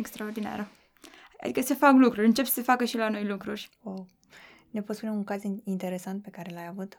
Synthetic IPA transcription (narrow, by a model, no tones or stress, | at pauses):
ekst̪ɾaord̪ina̰ɾə̰ | d̪ikəsefaklukɾuɾʲɨnt͡ʃe̞psə̥sefakəʃilano̞jlukɾurʲ | o | ne̞pot̪spuneuŋkazint̪e̞ɾe̞sant̪̚pe̞kaɾe̞lajavut̪